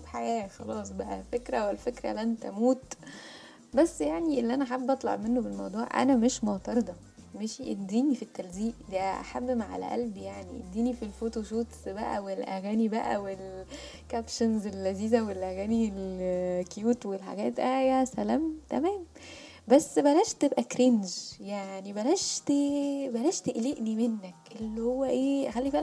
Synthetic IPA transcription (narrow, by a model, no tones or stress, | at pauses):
ħajæːxɑlɑːsˤbæʔæfekɾæwelfekɾæ̰ʔlːʔænt̪æ̰muːt̪ | bæsːjaʕniʔelːiʔænæħabːʔɑt̪ˤlɑ̰ʕmenːobelmɑwd̪ˤuːʕʔæ̰næmeʃmoʕt̪ɑɾˤd̪ˤɑ | meʃʔed̪iːnifit̪ːælziːʔd̪æʔa̰ħabːmaʕa̰læ̰ʔæ̰lbjaʕniʔḛd̪ːiːnifilfoːt̪oʃuːt̪sbæʔæ̰welʔæɣæːnibæʔæ̰wel | kæpʃonzelːæziːzæwelʔæɣæːnilkjuːt̪welħa̰ɡæːt̪ʔæjasælæːmt̪æmæːm | bæsːbælæːʃt̪ebʔækɾenʒjaʕnibælæʃt̪ebælæːʃt̪eʔleʔnimenːækʔelːihowːæʔeːxælːifil